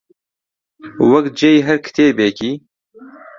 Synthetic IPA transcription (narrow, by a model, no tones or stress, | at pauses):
wɐk̪̚d͡ʒeːjɦɐɾkʰt̪ʰeːbeːkiː